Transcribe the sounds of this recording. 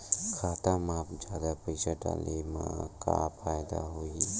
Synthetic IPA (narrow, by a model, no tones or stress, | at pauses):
xaːt̪amãːpd͡ʒjaːd̪apəɪsaʈa̰ːlemãka̰pʰaːjd̪a̰ɦoːi